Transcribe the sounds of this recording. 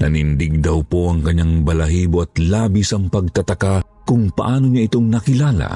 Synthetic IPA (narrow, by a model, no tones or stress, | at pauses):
nɐnind̪iɡ̚d̪ɐwpo̞ʔɐŋkɐɲːaŋbɐlɐɦiːboɐt̪laːbisɐŋpɐɡ̚t̪ɐt̪ɐka | kʊŋpɐ̰ʔaːno̞ɲɐʔɪt̪o̞ŋnɐkɪlaːlɐ̰